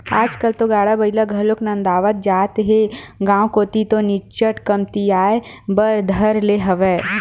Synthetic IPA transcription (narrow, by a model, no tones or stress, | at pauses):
aːd͡ʒkəlt̪oɡaːɽabɐilaɡʱɐloknɐ̃nd̪aːʋət̪̚d͡ʒaːt̪ɦeɡãːwkoːt̪it̪onɪt͡ʃəʈkɐmt̪iaːebɐɾd̪ʱɐɾleɦɐʋɛː